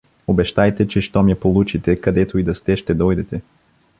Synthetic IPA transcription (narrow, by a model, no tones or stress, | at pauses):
obɛʃt̪ajt̪ɛt͡ʃɛʃt̪ɔmɛpolˠut͡ʃit̪ɛkɐd̪ɛt̪oid̪ɐst̪ɛʃt̪ɛd̪ɔjd̪ɛt̪ɛ